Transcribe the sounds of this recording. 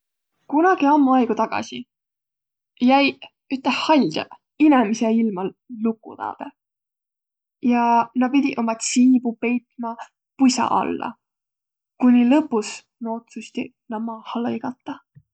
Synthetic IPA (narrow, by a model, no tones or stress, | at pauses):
kunɑɡ̥iɑmːuɑjɡ̥ut̪ɑɡ̥ɑ̰si | jæj | yt̪lɑhhɑlʲd̪̥jɑ̰ | inemiseilmɑlukːˑṵt̪ɑ̰ːd̪̥e | jɑnɑpid̪̥ʲiʔomɑt̪siːbupe̞jt̪ˑmɑ | pujsɑ̰ʔɑ̰lːɑ̰ | kunʲilɤpːus | nɑo̞t̪sust̪ḭ | nɑmɑhɑlɤjɡ̥ɑt̪ˑːɑ